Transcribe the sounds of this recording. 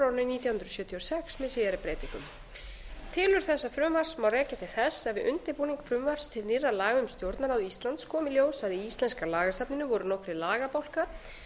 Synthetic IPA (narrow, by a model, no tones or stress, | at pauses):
aɾnɪniːt̪jahʏnɾʏsjœːt̪ʰiɔsɛksmɛðsiːðaɾɪpɾeːjt̪iŋkʏm | t̪ʰɪlʏɾ̥θɛsːafɾʏmvar̥smawrɛːcat̪ʰɪlθɛsːɛvɪʔʏnt̪ɪpuːniŋkfɾʏmvar̥st̪ʰɪlnɪrːalaːɣʏmst̪jowɾt̪naɾawist̪lant̪skʰɔːmɪljoːwsvaɾiist̪lɛnskalaːɣast̪apnɪnʏvɔɾʏnowkɾɪlaːɣapawl̥kaɾ̥